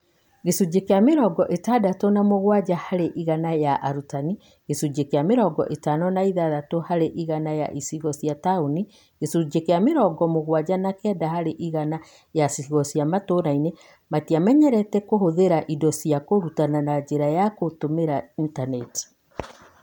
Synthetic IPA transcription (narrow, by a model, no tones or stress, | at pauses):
ɡesud͡ʒekeameɾɔɡɔʔetadatɔnamoɣwad͡ʒahaɾeʔiɣanajaʔaɾutani | ɣesud͡ʒekeameɾɔɡɔ̰ʔetanɔnaiðaðatohaɾeʔiɣanaja̰ʔisiɣɔsiatauni | ɣ̥esud͡ʒekeameɾɔɡɔmoɣwad͡ʑanakɛdahaɾeʔiɣana | jasiɣɔsiamatoɾaine | matiamɛɲɛɾɛtɛkohoðeɾaʔidɔsiakoɾutananad͡ʒeɾajakotomeɾaintanɛt